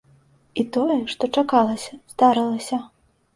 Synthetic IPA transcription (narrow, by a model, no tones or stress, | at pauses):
it̪ɔjɛʂt̪ɔt͡ʂakalˠɐsʲɐz̥d̪aɾɨlˠɐsʲɐ